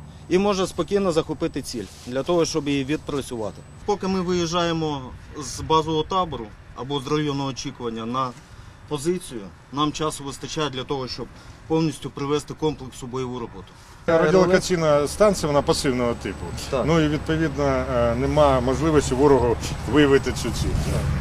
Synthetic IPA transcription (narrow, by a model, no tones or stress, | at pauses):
imɔʒɐspɔkʲijnɔzɐxɔpɪt̪ɪt͡sʲilʲ | d̪lʲɐt̪ɔɦɔʃt͡ʃɔbjjiʋʲid̪̚pɾɐt͡sʲʊʋɑ̰t̪ɪ | pɔkɪmɪʋɪjɪʒɑjemɔzbɑzɔɦɔt̪ɑbɔɾʊ | ɐbɔzrɐjɔnɔɦɔːt͡ʃikʊʋɐnʲːɐnɐ | pɔzɪt͡sʲijʊ | nɑmt͡ʃɑsɔʋɪst̪ɐt͡ʃajɛdlʲɐt̪ɔɦɔʃt͡ʃɔb̚pɔwnʲisʲtʲʊpɾɪʋɛst̪ɪkɔmplˠɪksʊbɔjɔʋuɾɔbɔt̪ʊ̥ | ɔdʲilˠɐkɐt͡sʲijnɐst̪ɑnt̪sʲijɐʋɔnɑpɐsɪwnɔɦɔt̪ɪpʊnuiʋʲid̪̚pɔʋʲid̪nɐnemɑmɔʒlˠɪʋɔsʲtʲiʋuɾɔɦʊʋɪjɐʋɪt̪ɪt͡ssʲut͡sʲḭlʲ